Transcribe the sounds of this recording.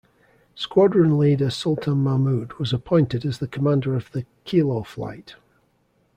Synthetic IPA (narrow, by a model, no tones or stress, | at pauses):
skwɔdɹɪ̃ŋlˠiːdəsʌlˠʔʰə̃nmamʉdwɒzəpʰɔ̃ɪ̃ntɪdəzðəkʰəmãndəɹəvðəkʰilˠɔflˠa̰ɪʔ